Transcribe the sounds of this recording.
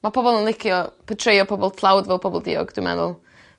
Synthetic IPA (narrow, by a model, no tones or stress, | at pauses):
mapʰɔbɔlˠənlˠɪkʰjɔpʰətʰrejɔpʰɔbɔlˠtʰlˠawdvɛlˠpʰɔbɔlˠdḭːɔ̰ɡd̥wɪmɛ̰ðʊ̰lˠ